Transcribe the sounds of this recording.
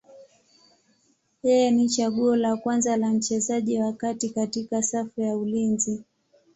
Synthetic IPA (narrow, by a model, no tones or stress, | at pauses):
jɛjɛnit͡ʃaɠuɔlakwanzalam̩t͡ʃɛzaʄiwakatikatikasafujaulinzi